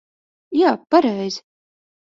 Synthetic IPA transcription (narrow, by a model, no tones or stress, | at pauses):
jaːpaɾɛjzʲ